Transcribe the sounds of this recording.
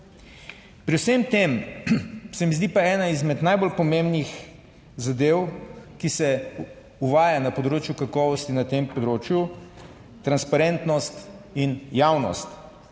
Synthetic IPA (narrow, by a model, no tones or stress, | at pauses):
pɾiwsemt̪em | sɛmizd̪ipaɛːnaizmɛd̪najbolpɔmẽmbnix | zad̪ewkisɛ | uʋaːjanapɔd̪ɾoːt͡ʃjukakɔːʋɔst̪inat̪empɔd̪ɾoːt͡ʃju | t̪ɾanspaɾɛnt̪nɔst̪injawnɔ̰st̪